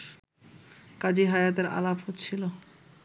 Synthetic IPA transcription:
kad͡ʑiɦajat̪eɾa̰laphotːt͡ɕʰilo

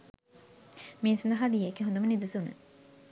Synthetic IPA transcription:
miːnsɐnd̪ɐɦad̪iekːiɦõnd̪umɐnid̪usunə̰

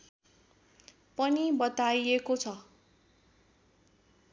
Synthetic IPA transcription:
pʌnibʌt̪ajekot͡sʰʌ

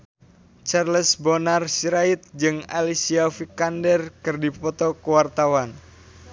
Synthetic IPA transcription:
t͡ʃarləsbɔnarsiɾait̪̚d͡ʒɨŋalisiafikandɛrkɨrdipɔt̪ɔkəwart̪awan

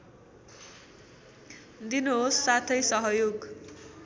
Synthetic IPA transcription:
d̪inoɦosːat̪ʰʌjsʌɦʌjoɡ

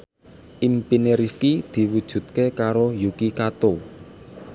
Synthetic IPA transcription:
ʔimpineɾifkid̪̥i̤wud̥ʒ̥ṳt̪̚kekaɾojukikat̪o

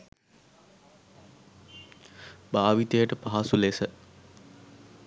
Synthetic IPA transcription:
baːʋit̪əjəʈəpaɦasulesə

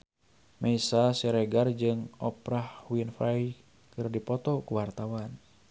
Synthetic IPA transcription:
mɛisasɛɾɛɡard͡ʒɨŋɔpɾahwinfaj | kɨrdipɔt̪ɔkuwart̪awan

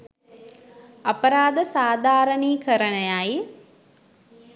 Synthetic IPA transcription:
ɐpəɾaːd̪əsaːd̪ʱaːɾəniːkʰəɾənəjaj

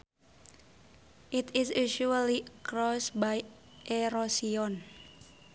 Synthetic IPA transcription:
ʔit̪ɪsuʃuəlikɾɔsbaj | ʔeɾosiɔn

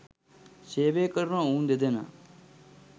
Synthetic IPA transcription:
seːʋeːkəɾnãːũːnd̪ed̪eːna̰ː

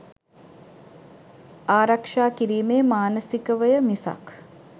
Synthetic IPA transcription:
aːɾakʂaːkiɾiːmeːmaːnəsikəʋəjəmisa̰k

